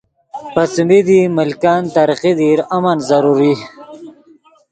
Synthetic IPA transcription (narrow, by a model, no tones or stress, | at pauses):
pat͡smid̪imɪlkant̪aɾqid̪iɾamanzaɾuɾi